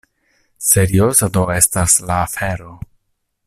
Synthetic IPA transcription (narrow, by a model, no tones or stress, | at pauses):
se̞ɾiosado̞e̞staslaːfe̞ɾo̞